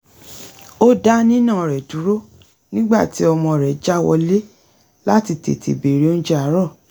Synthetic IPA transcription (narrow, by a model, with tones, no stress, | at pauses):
o˦da˦nĩ˦nã˦˨ɾɛ˨du˨˦ɾo˦ | nĩ˦ɡ͡ba̰˦˨ti˨˦ɔ˧mɔ̃˧˨ɾɛ˨˦d͡ʒa˦wɔ̰˧le˦ | la˦ti˧tḛ˨tʰḛ˨be˨ɾi˨˦o˦d͡ʒa˦a˨˦ɾɔ˦˨